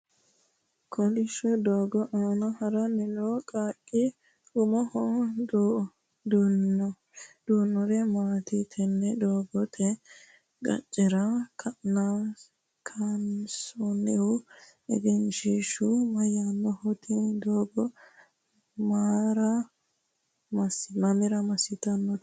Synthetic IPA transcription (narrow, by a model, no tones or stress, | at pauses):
kʰɔlɪʃɔd̪oːɡɔʔaːnɐhɐɾɐnɛloːkʼaːkʼːɪ | ʊmɔhɔd̪o | d̪unːɔ | d̪̥uːnːɔɾɛmaːt̪ɪt̪ʰɛnːɛd̪oːɡɔt̪ʰɛ | ɡɐ̰t͡ʃʼːɪɾɐkʰɐna | kʰɐnsɔnɛʊ | ɛ̰ɡ̪ɛnʃiːʃʊmɐjːanːɔhɔt̪ɪd̪oːɡɔ | maːɾɐ | mɐsmɐmɪɾɐmɐsɪt̪ɐnːɔt̪